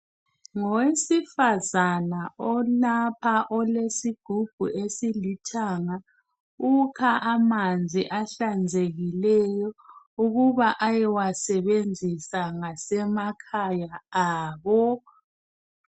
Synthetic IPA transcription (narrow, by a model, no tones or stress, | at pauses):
ŋɔwesifazanaɔnapʰaʔɔlesiɡ̥ʱub̥ʱṵʔesilitʰaːŋa | ukʰaʔamand͡zʱiʔaɬand͡zʱeɣilɛjɔ | uɣuβaʔajɛwasɛβend͡zʱisaŋasɛmakʰajaaːβɔ